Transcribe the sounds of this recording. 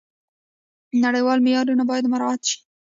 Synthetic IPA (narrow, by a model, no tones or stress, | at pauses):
naɽəjwɑlmɪjɑɾunabɑjad̪maɾɑat̪ʃi̥